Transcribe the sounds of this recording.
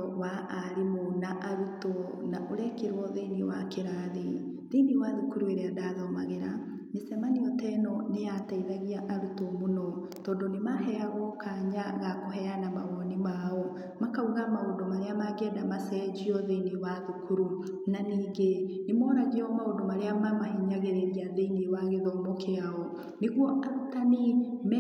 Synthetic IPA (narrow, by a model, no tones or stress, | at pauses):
waʔːɾemonaʔaɾutɔ | na̰ʔoɾɛkeɾwɔðeniwakeɾaðe | ðeniwaðukuɾueɾeadaðɔma̰ɣeɾa | mesɛmaniɔtɛnɔneataiðaɣiaʔaɾutomonɔ | tɔːndonemaɦɛaɣɔkaɲaɣakoɦɛanamaɣɔnimaɔ | makauɣamaoːdɔmaɾeamaɡɛdamasɛd͡ʑiɔðeinewaðukuɾu | naniːɡenemɔːɾaɣeɔmaodɔmaɾeamamahiɲaɣeɾeɾiaðeinewaɣeðɔmokeaɔ | neɣwɔʔatanem